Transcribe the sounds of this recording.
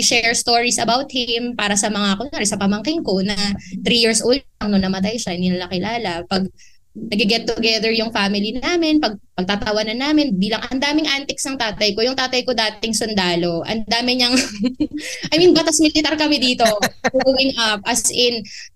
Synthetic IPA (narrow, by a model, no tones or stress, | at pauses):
ʃɛɹst̪oɹisɐbawt̪̚hɪmpaːɾɐsɐmɐŋakonaːɾɛsɐpɐmɐŋkɪŋko̞nɐt̪ɾijiɹsʔoːld̪̚ɐŋnonɐmɐt̪̬ajʃɐʔhɪnd̪inɐlɐkɪlaːlɐpɐɡ̚ | nɐɡɪɡɛt̪ːʊɡɛðɛɹjʊŋfamɪlinaːmɪnpɐɡ̚pɐɡ̚t̪at̪ɐwɐnɐnːaːmɪnbiːlɐŋʔɐnd̪aːmɪŋʔant̪ɪksnɐŋt̪aːt̪ɐjko̞jʊŋt̪aːt̪ɐjkod̪aːt̪ɪŋsʊnd̪aːlo̞ʔɐ̰nd̪aːmɪɲɐŋ | ʔɐjmɪnbɐt̪asmɪlɪt̪aɾkɐmɛd̪iːt̪o̞ɡɡowɪŋʔɐp̚ʔɐsʔɪn